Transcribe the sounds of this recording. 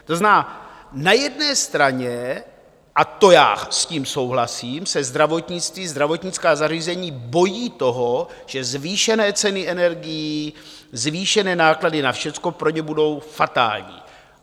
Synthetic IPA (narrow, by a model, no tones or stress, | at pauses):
t̪oznaːnajɛdnɛːst̪ɾaɲɛ | ʔat̪o̞ja̰ːsciːmso̞wɦlasiːmsɛzd̪ɾavo̞t̪ɲɪt͡st̪viːzd̪ɾavo̞t̪ɲɪt͡skaːzariːzɛɲiːbo̞jiːt̪o̞ɦo | ʒ̥ɛzviːʃɛnɛːt͡sɛnɪʔɛnɛɾɡɪji | zviːʃɛnɛːnaːkladɪnafʃɛt͡sko̞pɾo̞ɲɛbudo̞wfat̪a̰ːlɲḭː